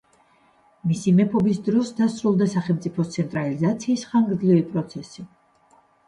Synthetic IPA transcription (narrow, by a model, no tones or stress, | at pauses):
misimɛpʰɔbisd̪ɾɔsd̪asɾulˠd̪asaχɛlˠmt̪sʼipʰɔt̪sʰɛnt̪ʼɾalizat̪sʰiːsχaŋɡɾd̪zlivipʼɾɔt̪sʰɛsi